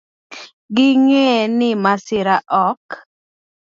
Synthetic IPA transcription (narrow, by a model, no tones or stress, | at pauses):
ɡɪŋenɪmasɪɾaʔɔk